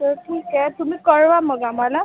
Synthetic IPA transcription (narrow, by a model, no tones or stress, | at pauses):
t̪əɾʈʰiːkɛt̪umiːkəɾʋaməɡamala